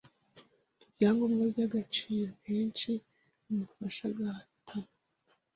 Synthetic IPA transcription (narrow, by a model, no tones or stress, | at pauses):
jaːŋɡomɡabjaɡat͡ʃiːɾokʰeːnt͡ʃi | umufaʃaɡahatʰana